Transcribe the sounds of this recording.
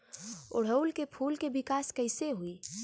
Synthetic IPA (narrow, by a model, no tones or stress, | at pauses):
ʊ̰ɽ̤əlkepʰuːlkebɪkaːskəɪseɦui